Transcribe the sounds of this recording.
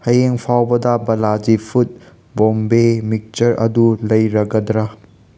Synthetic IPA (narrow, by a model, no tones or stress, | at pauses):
hɐjeŋpʰawbɐdɐbɐlad͡ʒipʰut̚ | bombemik̚t͡ʃɐɾʔɐ̰dulɐjɾɐɡɐdɾɐ